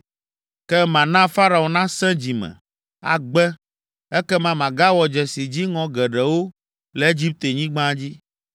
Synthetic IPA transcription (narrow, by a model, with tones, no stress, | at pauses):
kɛ˦mã˨nã˦fa˦ɾa˨o˨nã˦sɛ̃˦d͡ʑi˨mɛ̰̃˨ | a̰˨ɡ͡bɛ˦ | ɛ˦kɛ˦mã˨mã˨ɡa˦wɔ˨d͡ʒɛ˨si˨d͡ʑi˦ŋɔ̃˨ɡɛ˨ɖɛ˨wo˦ | lɛ˨e˦d͡ʑi˦p̚t̪e˨ɲĩ˦ɡ͡bã˦d͡ʑi˦